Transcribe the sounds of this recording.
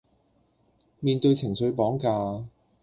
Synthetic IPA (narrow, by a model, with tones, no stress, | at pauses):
miː˧nt̪ɵ˧ɥt͡sʰɪ˨˩ŋsɵ˨˧ɥpɔː˨˥ŋkaː˧